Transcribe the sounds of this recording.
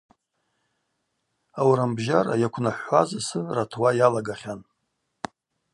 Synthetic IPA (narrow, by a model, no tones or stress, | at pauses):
awɾambʒara̰jakʷʰnaħʷazasɨratʰwajalaɡaχʲan